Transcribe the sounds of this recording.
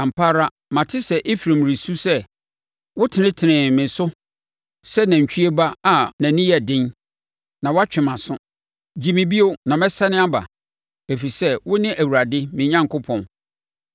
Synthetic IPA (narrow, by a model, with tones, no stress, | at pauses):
ã˨m̩˨pʰa˦ɾa˦ | mã˨tʰɪ˦sɛ˦˨ʔi˦fɾã˨m˨ɾi˨su˦sɛ˦ | wʊ˦tʰɪ˨nɪ̃˦tʰɪ˨nɪ̃˨mɪ̃˨sʊ˦ | sɛ˦nã˨ɲ˨t͡ɕʰᶣi˦e˦ba˦a˨nã˨nɪ̃˦jɛ˨dɪ̃˦n | nã˨wa˦t͡ɕᶣɪ̃˨mã˨sʊ̃˦ | d͡ʑi˦˨mɪ̃˨bi˦o˦nã˨mɛ̃˦sa˦nɪ̃˦a˦ba̰˨ | e˨fi˨sɛ˦wʊ˦nɪ̃˦ʔæ˨wu˨ɾa˨dɪ˦mɪ̃˨ɲã˦ŋ˨kʰʊ˦pʰɔ̃˨n